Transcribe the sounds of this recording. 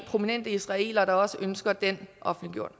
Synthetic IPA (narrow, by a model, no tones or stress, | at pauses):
pʰʁo̝minen̰d̥əisʁɑ̈e̝̰ːlɐɾ̥ɑ̈ɒ̽səʔønsɡ̥ɐd̥enʔɒ̽fnliɡ̥jo̝ɐ̰d̥